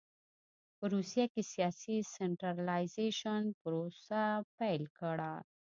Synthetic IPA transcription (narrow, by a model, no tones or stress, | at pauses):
pəɾusijakesijɑsiseɳʈɾaɾlajzeʃənpəɾosapɛjlkəɽa